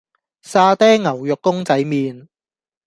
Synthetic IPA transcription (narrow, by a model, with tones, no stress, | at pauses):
saː˧t̪ɛː˥ŋŋɐ˨˩wjʊ˨kːʊ˥ŋt͡sɐ˨˥jmiː˨˧n